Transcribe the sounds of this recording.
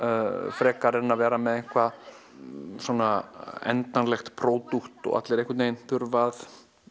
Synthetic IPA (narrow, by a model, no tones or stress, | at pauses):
fɾɛːkaɾɛnavɛːɾamɛðeŋ̥kʰva | swɔnaɛ̰nt̪anlɛxt̪pʰɾoːwt̪uht̪ɔ̰a̰t̪lɛɾehkʏt̪ejn̥θʏɾvaθ